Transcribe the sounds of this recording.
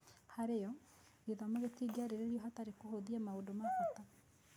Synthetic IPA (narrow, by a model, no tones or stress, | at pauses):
haɾejɔ | iðɔmaɣetiɡaɾeɾeɾiɔɦataɾekohoðiamaodomakata